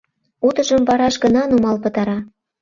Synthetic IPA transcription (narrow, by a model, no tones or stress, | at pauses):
ut̪ə̆ʒə̆mvɑɾɑʃɡə̆nɑnumɑlpə̆t̪ɑɾɑ